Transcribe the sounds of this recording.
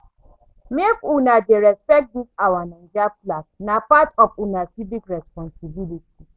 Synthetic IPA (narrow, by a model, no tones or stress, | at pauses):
mekunadeɾɛspɛk̚disawanan̩d͡ʒaplaknapatɔfunasibikɾɛspɔ̃nsibiliti